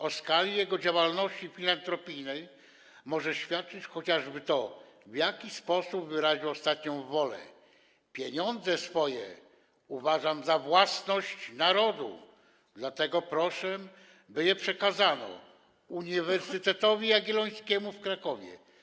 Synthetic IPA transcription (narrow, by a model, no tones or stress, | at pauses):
ɔskalʲijɛɡɔd͡ʑawalnɔɕt͡ɕifʲilant̪ɾɔpʲijnɛj | mɔʐɛɕfʲjat̪̚t͡ʂɘt͡ɕxɔt͡ɕaʐbɘt̪ɔ | vjakʲispɔsubvɘɾaʑiwɔst̪at̪ɲɔ̃w̃vɔlɛ̰ | pʲjeɲɔnd̪zɛsfɔjɛ̰ | uvaʐamzavwasnɔɕt͡ɕnaɾɔd̪ṵ | d̪lat̪ɛɡɔpɾɔʂɛ | bɘjɛpʂɛkazanɔ̰ | uɲivɛɾsɘt̪ɛt̪ɔvʲiaɡʲilɔj̃skʲɛmufkɾakɔvʲjɛ̰